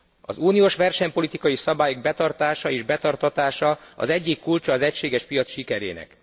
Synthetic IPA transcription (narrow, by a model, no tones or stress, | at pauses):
ɒ̰zuːnijoʃʋɛrʃɛɲpo̞lit̪ikɒjisɒbaːjoɡ̚bɛt̪ɒrt̪aːʃɒeːʒbɛt̪ɒrt̪ɒt̪aːʃɒɒ̰zɛɟːikːult͡ʃɒːzɛcʃeːɡɛʃpijɒt̪sʃikɛɾeːnɛ̰k